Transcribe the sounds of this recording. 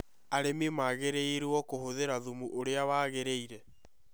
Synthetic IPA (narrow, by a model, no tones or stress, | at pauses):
aɾememaɣeɾeeɾwɔkohoðeɾaðumuʔoɾeawaːɣeɾeiɾɛ